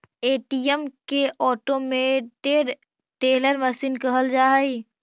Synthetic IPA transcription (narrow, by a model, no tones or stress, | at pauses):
eːʈiəmkeʔɔːʈomẽʈeɖ | ʈeːləɾməsiːnkəɦəld͡ʒaːɦəi